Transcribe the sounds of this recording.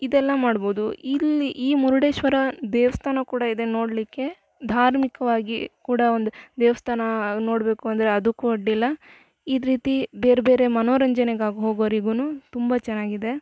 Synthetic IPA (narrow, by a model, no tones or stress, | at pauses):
id̪ɛlːɐmaːɽbo̞ːd̪uiliʔiːmuɾuɽeːʃʋɐɾɐd̪eːʋɐst̪ʰaːnɐkuːɽɐid̪e̞no̞ːɽlikːe̞ | d̪ʱaːɾmikɐʋaːɡikuːɽɐond̪ud̪ɛːʋɐst̪ʰaːnɐno̞ːɽbe̞ːkuɐnd̪ɐɾeɐd̪ukːuɐɖːilːɐ | id̪ɾiːt̪ibeːɾebe̞ːɾe̞mɐnoːɾɐɲd͡ʒɐneɡaːɡɦoːɡoʋɐɾiɡunut̪umbɐt͡ʃɛnːaːɡid̪e̞